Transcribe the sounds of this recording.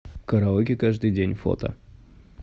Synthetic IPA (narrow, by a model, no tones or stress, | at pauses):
kəɾɐokʲɪkaʐd̪ɨjdʲenʲfo̰t̪ə̰